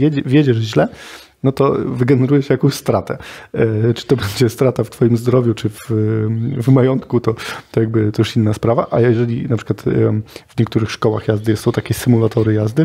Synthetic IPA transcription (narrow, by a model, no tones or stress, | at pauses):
ɛd͡ʑvʲjed͡ʑɛʐʑlɛ | nɔt̪ɔvɘɡɛnɛɾujɛʂjakɔ̃w̃ɕst̪ɾat̪ɛ̰ | t͡ʂɘ̥t̪ɔbɛɲd͡ʑɛst̪ɾat̪aft̪fɔjimzd̪ɾɔvʲjut͡ʂɘf | vmajɔnt̪kut̪ɔt̪ɔjaɡ̚bɘt̪ɔjɛʂinːaspɾava̰ʔajɛɛʐɛlʲḭnapʂɨkwat̪vɲɛkt̪uɾɘxʂkɔwaxjazd̪ɘsɔw̃t̪akʲɛsɘmulat̪ɔɾɘjazd̪ɘ